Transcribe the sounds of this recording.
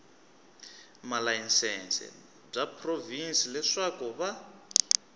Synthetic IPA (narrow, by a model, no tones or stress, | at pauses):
malainsɛnsɛ̰ | b͡ʐapʰrovinsilɛʂakuβa